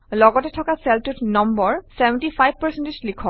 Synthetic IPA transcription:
lɔɡɔtɛtʰɔkasɛltutnɔmbɔɹsɛbɛntipʰajb̚pəɹsentislikʰɔ

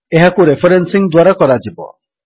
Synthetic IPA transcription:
eɦakuɾefeɾensiŋd̪waɾakɔɾad͡ʒibɔ̰

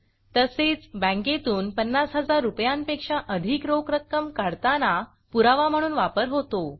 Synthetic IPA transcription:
t̪əset͡sbə̃ŋket̪uːnpənːasɦəd͡zaɾːupjanpekʂaʔəd̪ʱikɾokɾəkːəmkaɽt̪ana | puɾaʋam̤əɽ̃uːnʋapəɾɦot̪o

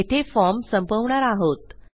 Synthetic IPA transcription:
et̪ʰefɔɾmsəmpəʋɳaɾaɦot̪

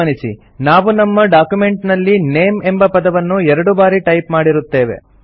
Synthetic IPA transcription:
ɐnisḭ | naːʋunɐmːɐɖaːkjume̞ɳʈnɐlːineːmembɐpɐd̪ɐʋɐnːuɛɾɐɽubaːɾiʈɐjpmaːɽiɾut̪ːe̞ːʋḛ

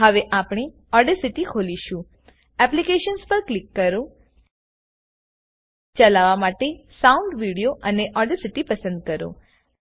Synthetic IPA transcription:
ɦəʋeʔapɳ̃e | ɔɾɖəsiʈikʰoliʃũ | ɛplikeʃənspəɾklikːəɾo | t͡ʃəlaʋamaʈesauɳɖʋiɽijoʔəneʔɔɾɖəsiʈipəsə̃nd̪̚kəɾo̰

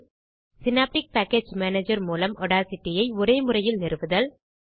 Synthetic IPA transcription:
sɪnaːp̚ʈɪk̚paːkːeːd͡ʒmaːneːd͡ʒɐɾmuːlɐmɔɽaːsɪʈːɪjɐɪɔɾeːmʊrɐjɪlnɪɾɯʋɯðɐl

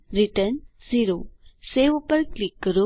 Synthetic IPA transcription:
ɾiʈənsiɾoseʋupəɾklikːəɾo

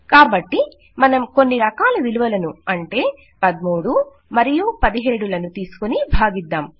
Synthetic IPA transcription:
kaːbɐʈːi | mɐnɐmko̞nːiɾɐkaːlɐʋiluʋɐlɐnuɐɳʈe̞ː | pɐd̪muːɽu | mɐɾijupɐd̪iɦe̞ːɽulɐnut̪iːsu̥konibʱaːɡid̪ːaːm

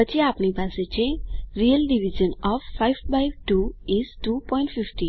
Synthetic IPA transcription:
ət͡ʃʰiapnipaset͡ɕʰeɾiəlɖiʋid͡ʒənɔffaiʋbajʋʈuizʈupɔĩɳʈfifʈi

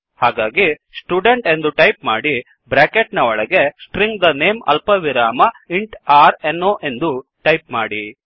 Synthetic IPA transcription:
haːɡaːɡisʈjuːɖeɳʈe̞nd̪uʈɐjpmaːɽi | bɾaːkeʈnɐɔɭɐɡe̞sʈɾiŋɡd̪ɐneːmɐ̰lpɐʋiɾaːmɐiɳʈaːɾenːoːʔe̞nd̪uʈɐjp̚maːɽi

